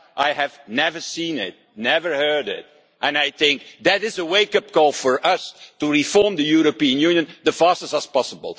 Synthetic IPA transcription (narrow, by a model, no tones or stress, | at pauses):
ʔaɪɨvnɛvə˞sĩnɪt̚nɛvə˞hɜ˞dɪt̚ | ʔɨ̃naɪjθɪ̃ŋk̚ðɨɾɪzəweɪkʌp̚ɡolˠfɔɹʔʌstuɹifɔɹmðəjuɹopiɨ̃njʉnjɨ̃nðəfɑɹstəzʌspɑsəbə̰l̩ˠ